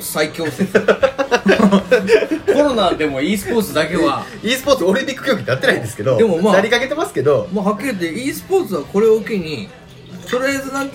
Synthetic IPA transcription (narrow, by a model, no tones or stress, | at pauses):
saikʲo̞ːse | ko̞ɾo̞naːd̪e̞mo̞iːsɨ̥po̞ːt͡sɨd̪ake̞βa | iːsɨ̥po̞ːt͡sɨoɾĩɲʲikːɯ̟kʲoːɡʲiɲinat̪ːe̞naĩnd̪sɨ̥ke̞d̪o̞d̪e̞mo̞maːnaɾʲikake̞t̪e̞masɨ̥ke̞d̪o̞maɦakʲːiɾɯt̪eiːsɨ̥po̞ːt͡sɨβako̞ɾe̞oɯkeɲ̟i | t̪o̞ɾɯjazɨnãŋ